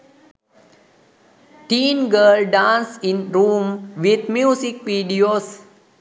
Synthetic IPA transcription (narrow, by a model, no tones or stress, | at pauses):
ʈĩːnɡəːlɖãːnsĩnɾũːmʋid̪mjuːsikʋiːɖioːs